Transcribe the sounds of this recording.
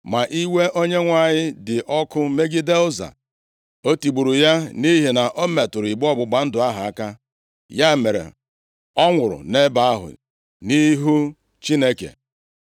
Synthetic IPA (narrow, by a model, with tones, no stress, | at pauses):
ma˨ʔi˦we˦ʔo˦ɲe˦ŋʷa˨ɲɪ˦dɪ˨ʔɔ˦kʊ˦me˦ɡɪ˦de˦lʊ˦za̰˨ | o˦ti˨ɡ͡bu˨ɾu˨ja˦ni˦ɦi˨na˨ʔo˦me˨tʊ˨ɾi˨ɡ͡bɔ˦bʊ˨ɡ͡ba˨n̩˦dʊ˨a˦ɦa˨a˦ka˦ | ja˦e˨me˨ɾḛ˨ | ɔ˦ŋʷʊ˨ɾʊ̰˨ne˦ba˨a˦ɦʊ̰˨ | ni˦ɦu˦ | t͡ʃi˦ne˦kḛ˨